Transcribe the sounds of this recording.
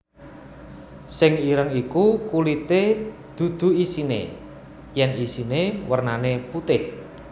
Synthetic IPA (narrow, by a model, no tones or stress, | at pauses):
sɪŋiɾəŋikukulit̪e | d̪̥ṳd̪̥ṳisinḛ | jɛnisinewərnaneput̪ɪh